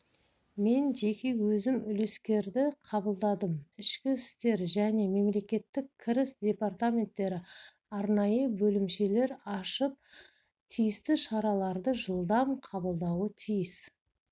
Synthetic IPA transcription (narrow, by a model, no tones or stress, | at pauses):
me̞nʒe̞kʲe̞wɵzɪmʏle̞skʲe̞ɾd̪ɪqʰɑbəlˠd̪ɑd̪əmɪʃkʲɪst̪e̞ɾʒæne̞me̞mle̞kʲe̞t̪ːɪkʲkʲʰːɪɾɪsd̪ʲe̞part̪amʲe̞nt̪ːe̞ɾɪ | ɑɾnɑjəbɵlɪmʃe̞le̞ɾɑʃəp̚ | t̪ʰijɪst̪ɪʃɑɾɑlˠɑɾd̪əʒəlˠd̪ɑmqʰɑbəlˠd̪ɑwət̪ʰijɪs